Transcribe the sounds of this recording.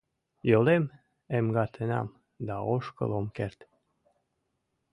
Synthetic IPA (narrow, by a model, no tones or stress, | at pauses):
jolem | emɡɑt̪ʰenɑ̰m | d̪ɑoʃkə̰lomkert̪